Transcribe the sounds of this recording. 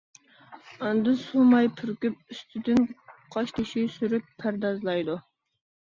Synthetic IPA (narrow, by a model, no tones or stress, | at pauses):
ɑnd̪ɨsumɑjpʰyɾkʲyp̚yst̪ʰyd̪ɪnqʰɑʃt̪ʰɪʃisyɾypʰːæɾd̪ɑzlˠɑjd̪u